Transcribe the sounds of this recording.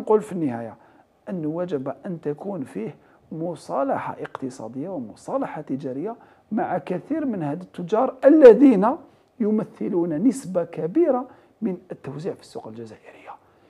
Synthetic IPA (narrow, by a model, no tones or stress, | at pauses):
qulfinːəhæja | ʔənːwæd͡ʒəbaʔənt̪ækunfih | mʊsˤɑlɑħa̰ʔəqt̪əsˤɑ̰d̪əjːawmʊsˤɑlɑħat̪əd͡ʒæɾəjːa | maʕakæθiɾmənhæd̪ət̪ːʊd͡ʒɑɾˤʔəlːæd̪ina | jʊməθːəlunænəsbakæbiɾa | mənət̪ːəwziʕfi̥sːuqəlʒæzæʔəɾəjːa